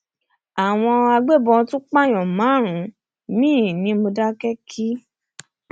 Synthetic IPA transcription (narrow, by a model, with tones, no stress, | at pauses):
a˨w̃ɔ̃˧a˧ɡ͡be˦˨bɔ̃˧tũ˦k͡pã˦˨j̃ɔ̃˨mã˨˦˨ɾ̃ũ˨˦ | mĩː˦˨nĩ˨˦mo˧da˦kɛ˦kʰi˦